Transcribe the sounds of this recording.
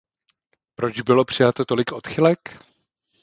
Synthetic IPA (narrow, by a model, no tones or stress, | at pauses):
pɾo̞t͡ʃbɪlo̞pr̝̥ɪjat̪ot̪o̞lɪkʔo̞t̪xɪlɛk